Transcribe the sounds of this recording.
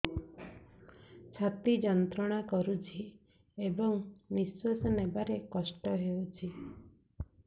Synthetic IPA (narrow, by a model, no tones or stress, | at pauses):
t͡ʃʰat̪id͡ʒɔnt̪ɾɔɽ̃akɔɾut͡ʃʰi | ebɔŋmiswɔsɔnebaɾekɔsʈɔɦeut͡ʃʰi